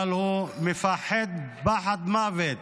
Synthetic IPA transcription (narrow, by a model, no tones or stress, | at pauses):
lhumefaħed̪̚baħat̪maːvet̪